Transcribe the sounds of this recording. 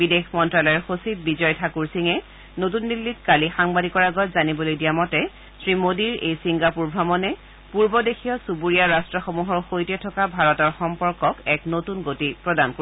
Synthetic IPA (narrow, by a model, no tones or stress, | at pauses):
bidexmɔntɹalɔɛɹxosit̚bizɔjtʰakuɹsiŋɛ | not̬undilːitkalixaŋbadikɔɹaɡɔtzanibɔlojdijamɔtɛ | sɹimodiɹejsiŋɡapuɹbʱamɔnɛ | puɹbɔdexʰijɔsubuɹijaɹastɹɔxomuɦɔɹxojtɛtʰɔkabʱaɹɔtɔɹxɔmpɔɹkɔkɛknotunɡotipɹɔdanko